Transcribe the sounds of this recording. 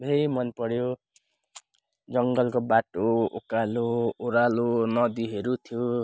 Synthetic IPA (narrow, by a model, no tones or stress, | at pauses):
bʱeimʌnpʌɽjo | d͡zʌŋɡʌlkobaʈookalooɾalonʌd̪iɦeɾut̪ʰjo